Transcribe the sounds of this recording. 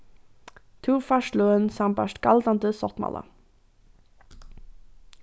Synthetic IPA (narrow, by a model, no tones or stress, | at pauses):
t̪ʰuːʁfaʂloːənsampaʂtɡ̥ald̪and̪əsɔt̪ma̰la̰